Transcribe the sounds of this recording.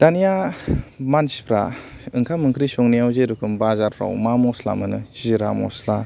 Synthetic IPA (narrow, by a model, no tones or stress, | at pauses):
d̥anija | mansi̥pʰɾa̰ɯŋkʰamɯŋkʰɾisɔŋnijawzeɾukʰɯmbazaɾpʰɾa̰wmamɔsla̰mɯnɯziɾamɔ̰sla